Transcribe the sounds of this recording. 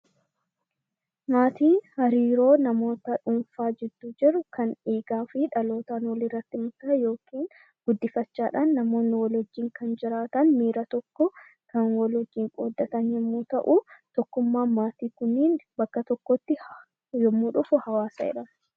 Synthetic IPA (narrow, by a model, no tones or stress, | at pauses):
maːt̪iːhɐɾiːɾo̞ːnɐmo̞ːt̪ɐᶑʊnfaːd͡ʒɛd̪̥ːuːd͡ʒɛɾʊkʰɐneːɡaːfɪᶑɐlo̞ːt̪ɐnwɔlɪrːɐt̪ːɪmʊt̪aːjo̞ːkiːn | ɡ̥ʊd̪ːɪfɐt͡ʃːaːᶑaːnːɐmo̞ːnːɪwɐlɔd͡ʒːiːŋkɐnd͡ʒɪɾaːt̪ɐnmiːɾɐt̪ɔkːɔ | kɐnwɔlɔd͡ʒːiːŋkʼoːd̪ːɐt̪ɐnjɛmːuːt̪ɐʔut̪ɔkːʊmːaːmaːt̪iːkʊnːiːnbɐkːɐt̪ɔkːɔt̪ːɪ | jɛmːuːᶑʊfʊhɐwaːsɐɛ̰ᶑɐ